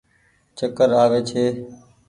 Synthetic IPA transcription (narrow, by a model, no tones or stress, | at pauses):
t͡ʃəkəɾaːʋeːt͡ʃʰeː